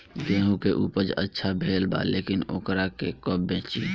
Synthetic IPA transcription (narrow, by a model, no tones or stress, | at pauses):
ɡẽːɦũkeʔuːpəɾd͡ʒə̰tːʃʰabʱeːlba̰leːkɪnoːkɾakekɔbbẽːt͡ʃi